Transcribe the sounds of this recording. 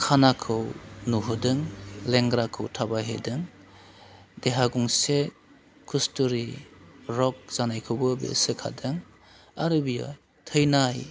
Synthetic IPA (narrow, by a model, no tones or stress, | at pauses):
kʰanakʰɯwnuɦɯdɯŋleŋɡɾakʰɯwtʰabaɦḛdɯŋ | deɦaɡuŋse | kʰustuɾiɾɔk̚z̥anajkʰɯwbɯbḛsɯkʰa̰dɯŋ | aɾɯbija̰ | tʰɯjnaj